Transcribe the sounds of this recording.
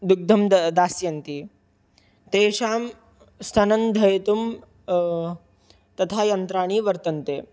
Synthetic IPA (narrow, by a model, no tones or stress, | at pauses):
d̪uɡ̚d̪ʱɐmd̪aːsjɐnt̪i | t̪eːʂaːm | st̪ʰanɐnd̪ʱɐjet̪um | t̪ɐt̪ʰajɐnt̪ɾaːɳ̃iːʋɐɾt̪ɐnt̪eː